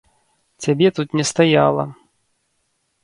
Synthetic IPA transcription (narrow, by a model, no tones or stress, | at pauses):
t͡sʲabʲɛt̪ut̪nʲɛst̪ajalˠɐ̰